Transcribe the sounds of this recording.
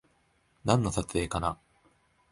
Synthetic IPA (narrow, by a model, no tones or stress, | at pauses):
nãnːosat͡sɨe̞ːkana